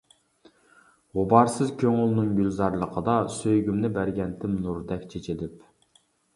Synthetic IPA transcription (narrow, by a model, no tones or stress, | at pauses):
ʁobɑɾsɨzkʲʰøŋulˠnɨŋɡʲylzɑɾlˠəqʰəd̪ɑsøjɡʲymnɪbæɾɡʲɛnt̪ʰɪmnuɾd̪ɛkʲt͡ʃʰet͡ʃʰɪd̪ɪp